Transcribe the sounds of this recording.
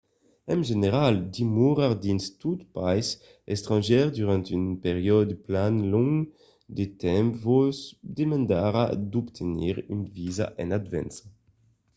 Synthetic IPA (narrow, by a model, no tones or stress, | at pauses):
ɛ̃nʒeneʁald̪imuʁaʁd̪inst̪ut̪pajs | ɛst̪ʁɑ̃nʒɛʁd̪yʁɑ̃nt̪ynpeʁjɔd̪planlɔŋ | d̪et̪ɛ̃mpvɔzd̪emɑ̃nd̪aʁad̪ɔpt̪ʰenḭʁynviza̰ʔɛ̃nad̪vɛ̰ns